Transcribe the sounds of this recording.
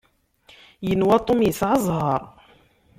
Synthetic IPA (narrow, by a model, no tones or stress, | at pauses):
jənwæt̪ˤomjəsʕɑzˤhɑɾˤ